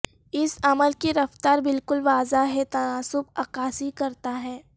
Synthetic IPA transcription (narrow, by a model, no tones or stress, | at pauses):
ɪsɐməlkeɾɐft̪aːɾbɪlkʊlʋaːzaɦɛt̪ɐnaːsʊbɐkaːsikɐɾt̪aɦɛː